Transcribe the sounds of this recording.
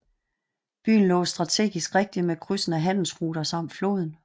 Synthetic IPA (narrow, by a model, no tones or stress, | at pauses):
b̥y̰ːn̩lɔ̰̽ːsd̥ʁɑ̈t͡sʰe̝̰ːɡ̥isɡ̥ʁeɡ̥̚d̥imekʰʁysn̩æɦæn̰l̩sʁuːɾ̥ɐsɑ̈m̰d̥flo̝̰ːðˠn̩